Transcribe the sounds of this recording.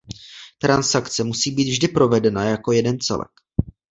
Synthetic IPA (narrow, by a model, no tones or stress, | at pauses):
t̪ɾansakt͡sɛmusiːbiːt̪vʒdɪpɾo̞vɛdɛnajako̞jɛdɛnt͡sɛ̰lɛ̰k